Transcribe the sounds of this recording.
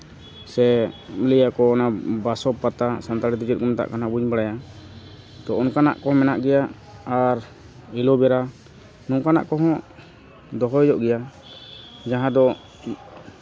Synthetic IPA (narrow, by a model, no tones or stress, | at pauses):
sɛmilijakɔːnabasɔppat̪asant̪aɾɛt̪ud͡ʒɛt̪̚kɔmt̪a̰ʔkanabuɲbaɽaja | t̪ɔɔnkana̰ʔkɔɦɔ̃mɛnaʔɡɛja | aɾ | ilɔbɛɾa | nɔŋkana̰ʔkɔɦɔ̃ | d̪ɔɦɔjd͡ʒɔʔɡɛja | d͡ʒaɦãd̪ɔ